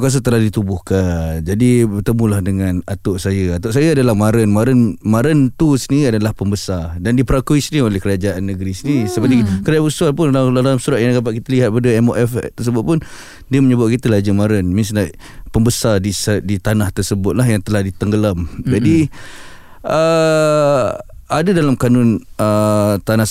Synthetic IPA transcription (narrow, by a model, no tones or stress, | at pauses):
kas̬ət̪əlahdit̪ubʊhkad͡ʒadibərt̪əmũlahdəŋanat̪ʊʔsajəat̪ʊʔs̬ajəadalahmaɾənmaɾənmaɾənt̪usəniɾiadalahpəmbəsadandipəɾakuisniolɛhkəɾad͡ʒaʔanːəɡɾisinisəpət̪ikəɾaabusualpʊnalalalaamsuɾaʔ̪jãɡapaʔ̚kit̪aliɦat̪̚padəɛmo̰ʔɛft̪ərs̬əbʊt̪̚pʊn | diəməɲəbat̪̚kit̪əlad͡ʒəmaɾənmĩns̬ənaʔ | pəmbəsadisədit̪anaht̪ərsəbʊt̪̚laɦjaŋt̪əlahdit̪əŋɡəlamd͡ʒadi | ə | adadalamkanʊnət̪ana